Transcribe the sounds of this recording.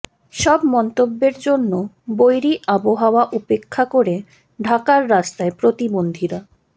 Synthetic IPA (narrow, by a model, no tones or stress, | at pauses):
ʃɔbmɔnt̪obːeɾd͡ʑonːo | bojɾiʔaboɦaoaʔupekʰːakoɾe | ɖʱakaɾːast̪aepɾot̪ibond̪ʱiɾa